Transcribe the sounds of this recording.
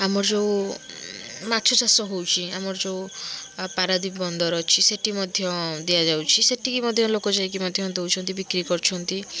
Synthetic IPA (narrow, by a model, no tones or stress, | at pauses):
amɔɾd͡ʒew | matːt͡ʃʰɔt͡ʃasɔɦowt͡ʃʰiamɔɾd͡ʒeu | paɾad̪ibbɔnd̪ɔɾɔt͡ʃʰiseʈimɔd̪ʱjɔd̪ijad͡ʒawt͡ʃʰiseʈikimɔd̪ʱjɔlokɔd͡ʒaek̬imɔd̪ʱjɔnt̪ɦowt͡ʃʰɔnt̪ibikɾikɔɾt͡ʃʰɔnt̪i